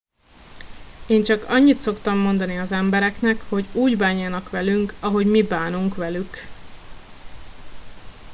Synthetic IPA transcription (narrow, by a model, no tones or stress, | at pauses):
eːnt͡ʃɒkɒɲːit̪so̞kt̪ɒmːo̞n̪d̪ɒniɒzɛmbɛɾɛknɛkho̞ɟuːɟbaːɲaːnɒkʋɛlyŋkɒɦo̞ɟmibaːnuŋkʋɛlyk